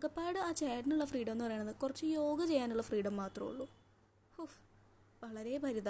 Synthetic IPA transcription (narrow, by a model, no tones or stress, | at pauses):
mɐɡɐpːaːjiɽɨaːt͡ɕaːjɖɐnuɭːɐfriːɖɐmenːɨpɐrejːɳɐðɨkurɐt͡ɕːɨjo̞ːɡɐt͡ɕe̞jːaːnuɭːɐfriːɽɐmːaːt̪rɐ̰mṵɭːu | hu | ʋɐɭɐɾe̞bʱɐɾiða